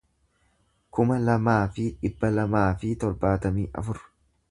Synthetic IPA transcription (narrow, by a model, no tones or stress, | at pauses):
kʊmɐlɐmaːfɪᶑɪbːɐlɐmaːfɪt̪ɔɾbaːt̪ɐmiːʔɐ̰fʊɾ